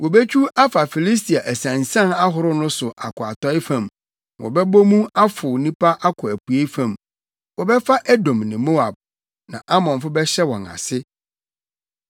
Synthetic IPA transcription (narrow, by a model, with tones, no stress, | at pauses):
wɔ˨be˦t͡ɕʰᶣu˦ʔa˦fa˨fi˨li˦s̬tʰi˨a˨ʔæ˨sæ̃˨nsã˦na˦ɦʊ˨ɾʊ˦nʊ̃˦sʊ˨ʔa˨kʰʊ˨a˨tɔ˦ɪ˦fã˨m | wɔ̰˨bɛ˦bo˦mũ˦a˦fʊ˨nĩ˦pʰa˦ʔa˦kʰʊ˨æ˨pu˨e˦fã˨m | wɔ˨bɛ˦fa˦ʔæ˦dõ˨mnɪ̃˨mo˦a˨b̚ | nã˨ʔa˦mɔ̃˨nfʊ˦bɛ˦ɕɛ˦wɔ̃˨na̰˨sɪ˦